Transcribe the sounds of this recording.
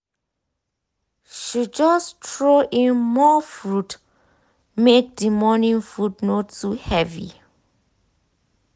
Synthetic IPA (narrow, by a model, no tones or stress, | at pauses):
ʃid͡ʒɔstʰɹoʔĩnmɔfɹut | mek̚dəmɔnĩŋfɹudnotʰuhɛvḭ